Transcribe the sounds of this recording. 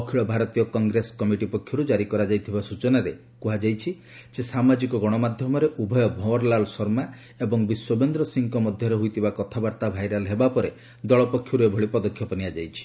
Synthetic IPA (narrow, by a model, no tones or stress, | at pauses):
ɔkʰiɭɔbʱaɾɔt̪ijɔkɔŋɡɾeskɔmiʈipɔkʰjɔɾud͡ʒaɾikɔɾad͡ʒajt̪ʰibasut͡ʃɔnaɾe | kuɦad͡ʒajt͡ʃʰi | sesamad͡ʒikɔɡɔɽ̃ɔmad̪ʱjɔmɔɾeʔubʱɔjɔbʱɔwɔɾlalɔsɔɾma | ebɔŋbiswɔbend̪ɾɔsiŋkɔmɔd̪ʱjɔɾeɦujt̪ʰibakɔt̪ʰabaɾt̪abʱajɾalɦebapɔɾe | d̪ɔɭɔpɔkʰːjɔɾuebʱɔɭipɔd̪ɔkʰːjɔpɔniad͡ʒajt͡ʃʰi̥